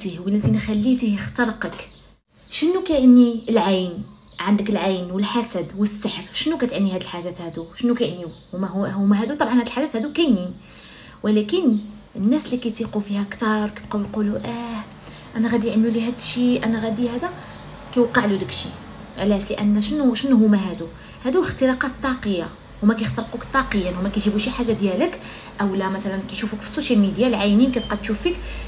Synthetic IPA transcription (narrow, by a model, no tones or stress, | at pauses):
t̪ihwəlʔənt̪inxælːit̪ihjəxt̪ɑɾəqək | ʃənːukæjʕanːiəlʕajn | ʕand̪əkəlʕajnwəlħasæd̪wəsːəħɾʃənːukæt̪ʕanːihæd̪əlħaʒæt̪hæd̪uʃənːukæjʕənːihumæʊmæɦæd̪ut̪ˤɑbʕɑnhæd̪əlħaʒæːt̪hæd̪ukæjni | wəlækən | ənːæsəlːikæjt̪iqufihækt̪ɑɾˤkæbqɑwjquluʔæh | ʔænæɣæd̪iʕənːulihæd̪ʃiʔænæɣæd̪ihæd̪æ | kæjwɑqːəʕlud̪ækʃi | ʕlæʃləʔæ̰nːʃənːuʃənːɦʊmæɦæd̪u | hæd̪uləxt̪əlɑqɑt̪t̪ˤːɑqəjːa | hʊmækæjəxt̪əɾˤqukt̪ˤːɑqəjːənhʊmːækæjʒibuʃiħaʒːad̪jælək | ʔæwlæmæt̪ælænkæjʃufukfi̥sːoʃjælmid̪jalʕajninkæt̪qɑd̪̚t̪ʃufik